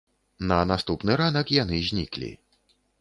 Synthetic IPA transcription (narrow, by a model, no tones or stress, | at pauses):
nɐnast̪upnɨɾanɐkjanɨzʲnʲḭklʲḭ